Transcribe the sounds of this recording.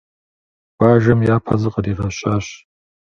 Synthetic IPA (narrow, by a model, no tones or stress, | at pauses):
w̥ʷaːʒɐmjaːpʰa̰zɨqʼəriːʁɐɕʼaːɕ